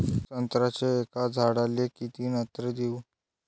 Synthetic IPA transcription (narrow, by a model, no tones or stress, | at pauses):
t͡sənt̪ɾat͡seːkad͡zʱaɽalekit̪iːnət̪ɾəd̪iw